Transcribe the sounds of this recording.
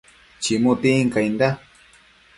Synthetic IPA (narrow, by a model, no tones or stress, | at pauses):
t͡ʃimʊt̪iŋkajnd̪a